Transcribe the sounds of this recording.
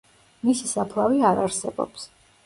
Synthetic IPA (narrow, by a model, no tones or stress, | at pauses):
misisapʰlˠaviaɾaɾsɛbɔ̰ps